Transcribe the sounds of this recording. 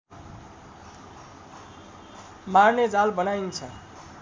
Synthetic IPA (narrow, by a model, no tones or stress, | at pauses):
marned͡zalbʌnajnt͡sʰʌ